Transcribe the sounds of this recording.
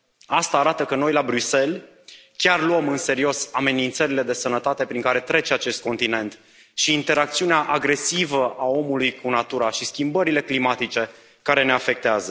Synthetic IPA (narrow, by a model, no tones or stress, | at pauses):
ast̪aːɾat̪əkəno̞jlabɾyse̞l | kʲarluəmɨnse̞ɾio̞same̞nint̪səɾile̞d̪e̞sənət̪at̪e̞pɾiŋkaɾe̞t̪ɾe̞t͡ʃeat͡ʃe̞st̪̚ko̞nt̪ine̞nt̪ | ʃiːnt̪e̞ɾakt̪siuneaʔaɡɾe̞sivəʔao̞mulujkunat̪uɾaʃiskʲimbəɾile̞klimat̪it͡ʃe̞ | kaɾe̞ne̞afe̞k̚t̪eazə